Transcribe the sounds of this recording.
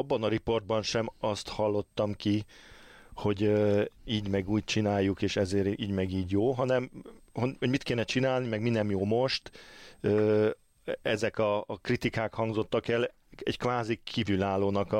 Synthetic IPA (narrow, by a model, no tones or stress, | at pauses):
bːɒnɒɾipo̞rd̪̚bɒnʃɛmɒst̪hɒlːo̞t̪ːɒmki | ho̞ɟøiːɟmɛɡuːc̚t͡ʃinaːjːukeːʃɛzeːɾiːɟmɛɡiːɟjoːɦɒnɛmhoho̞ɟmit̪keːnɛt͡ʃinaːlnimɛɡminːɛmjoːmo̞ʃt̪øː | ɛzɛkɒkrit̪ikaːkhɒŋɡzo̞t̪ːɒkɛl | ɛ̰ckʋaːzikʰiːvylaːlːoːnɒk